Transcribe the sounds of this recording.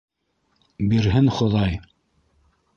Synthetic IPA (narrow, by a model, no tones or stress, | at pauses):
biɾɦɘnχŏðɑj